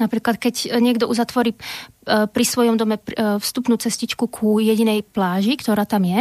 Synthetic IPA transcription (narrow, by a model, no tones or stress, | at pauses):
napɾiːklat̪kɛcɲɪɛɡd̪ɔʔuzat̪ʋɔɾiː | pɾisʋɔjɔmd̪ɔmɛfst̪upnuːt͡sɛscit͡ʃkukʰujɛɟinɛjplaːʒikt̪ɔɾaːt̪amjɛ